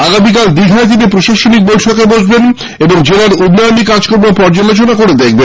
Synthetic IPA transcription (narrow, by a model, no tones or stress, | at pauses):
aɡamik̬ald̪iɡ̪ʱaet̪̬inipɾoʃaʃonik̚bojʈʰokebod͡ʑben | eboŋd͡ʑelaɾud̪najonikad͡ʑkoɾbopɔɾd͡ʑalot͡ɕonakoɾed̪ek̚ʰbe